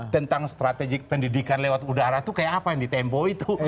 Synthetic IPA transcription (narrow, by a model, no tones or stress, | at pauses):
t̪ənt̪aŋst̪ɾat̪ɛɡɪk̚pəndidikanlewat̪udaɾat̪ukajaːpajaŋdit̪ɛmpɔit̪u